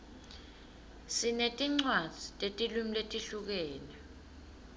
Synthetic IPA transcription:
sinetʼiŋ͡ǀwḁz̥ʱitʼetʼilumiletʼiɬuk̬ɛːnɛ

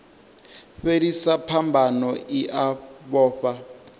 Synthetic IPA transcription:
ɸedisapʰambʱanɔiʔaβɔːɸa

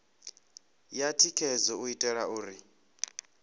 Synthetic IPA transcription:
jatʰikʰɛzɔuitʼɛɺauːɾi

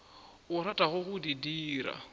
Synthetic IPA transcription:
ʊratʼaɣʊɣʊdidiːɾa̰

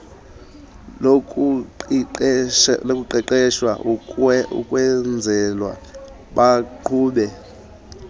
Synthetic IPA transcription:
lkʼu | lokʼuǃɛǃɛʃwa̰uṵkʼwɛnd͡zʱɛlwa̰ | ɓaǃʰuːɓɛ

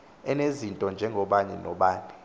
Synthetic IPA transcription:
ɛnezintʼɔnd͡ʒʱɛŋɡʱɔɓaɲɛnɔɓaːni

